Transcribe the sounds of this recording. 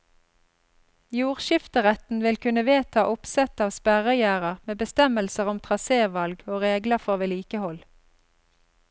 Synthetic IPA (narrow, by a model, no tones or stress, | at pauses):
juːʁʃɪft̪əʁɛt̪n̩ʋɪlkʰʉnəʋeːt̪ʰɑːʔʊpsɛt̪ɑːʋspæʁəjæːʁəʁmeːbəst̪ɛməlsəʁɔmt̪ʰʁɑseːʋɑlɡoːʁeːɡləʁfɔʁʋeːliːkəhɔl